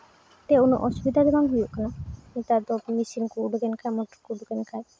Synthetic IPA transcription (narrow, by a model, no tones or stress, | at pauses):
t̪eunɔ̰ʔɔsubid̪ʱad̪ɛbaŋɦujuʔkananit̪ad̪ɔmisinkuːɖɔɡɛnkajmɔʈɔɾkuɖɔɡɛnkaj